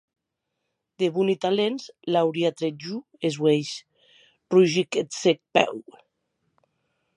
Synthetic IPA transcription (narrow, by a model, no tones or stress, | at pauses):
d̪eβunit̪alenzlawɾiat̪ɾed͡ʒu | ezwejʃ | ruʒiket̪sek̚pɛ̰w